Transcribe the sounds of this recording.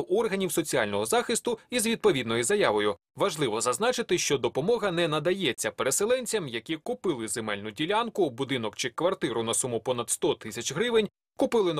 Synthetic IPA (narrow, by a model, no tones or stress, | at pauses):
wʔɔrɦɐnʲiwsɔt͡sʲiɑlʲnɔɦɔzɑxɪst̪ʊizʋʲid̪̚pɔʋʲid̪nɔjʊzɐjɑʋɔjʊ | ʋɐʒlˠɪʋɔzɐznɑt͡ʃɪt̪ɪʃt͡ʃɔd̪ɔpɔmɔɦɐnɛnɐd̪ɐjɛt͡sʲːɐpeɾeselˠɛnʲt͡sʲɐmjɐkʲikʊpɪlˠɪzemɛlʲnʊdʲilʲankʊbʊd̪ɪnɔkt͡ʃɪkʋɐrt̪ɪɾʊnɐsumʊpɔnɐd̪st̪ɔt̪ɪsʲɐt͡ʃɦɾɪʋɪnʲ | kʊpɪlˠɪn